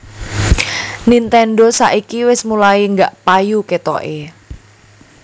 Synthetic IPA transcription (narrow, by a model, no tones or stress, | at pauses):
nint̪ɛnɖɔsa̰ʔikiwɪsmulaiŋɡaʔpajuket̪ɔ̰ʔe